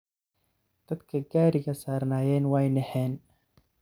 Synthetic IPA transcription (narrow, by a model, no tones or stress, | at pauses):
d̪̥ɐd̪kʰɐɡaːɾɪɣɐsaːrnaːjɛːnwɛjnɛħɛːn